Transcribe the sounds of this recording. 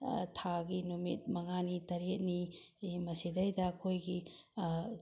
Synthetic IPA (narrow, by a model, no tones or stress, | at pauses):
tʰaɡinumḭt̚mɐŋanitɐɾet̚nimɐsidɐjdɐɐkʰojɡi